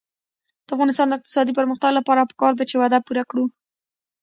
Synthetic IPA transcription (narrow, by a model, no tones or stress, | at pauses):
d̪̥əafɣɑnɪst̪ɑnd̪əɪq̚t̪ɪ̥sɑd̪ipəɾməxt̪aɡlapɑɾapə̥kɑɾd̪at͡ʃewad̪apuɾakɽu